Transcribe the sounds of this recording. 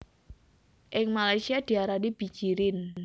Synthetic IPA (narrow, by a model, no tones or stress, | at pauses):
ʔɪŋmalajsiad̪̥i̤aɾanib̥i̤̥t͡ʃiɾɪn